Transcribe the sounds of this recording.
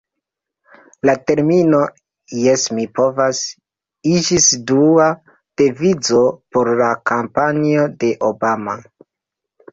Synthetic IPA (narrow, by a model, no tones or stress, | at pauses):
late̞ɾmino̞ | jesmipo̞vas | id͡ʒisdua | d̥e̞vid͡zo̞po̞ɾlakampaniode̞ʔobama̰